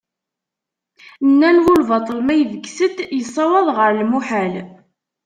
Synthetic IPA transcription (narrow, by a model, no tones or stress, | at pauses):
nːænwulvɑt̪ˤəlmæjəðəɡsət̪jəsˤːɑwɑðˤʁəɾlmuħæl